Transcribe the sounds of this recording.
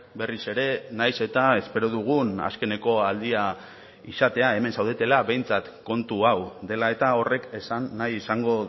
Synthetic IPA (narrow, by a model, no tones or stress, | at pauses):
be̞rise̞ɾe̞najse̞t̪ae̞spe̞ɾo̞ðuɣ̞una̰ske̞ne̞ko̞ald̪ia | isat̪e̞ae̞me̞nsawð̞et̪e̞laβe̞jnt͡sat̪ko̞nt̪uawd̪e̞lae̞t̪ao̞re̞kesanːajisaŋɡo̞